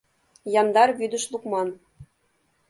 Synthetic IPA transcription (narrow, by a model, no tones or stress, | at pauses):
jɑnd̪ɑrβyd̪ɘ̆ʃlˠuqmɑn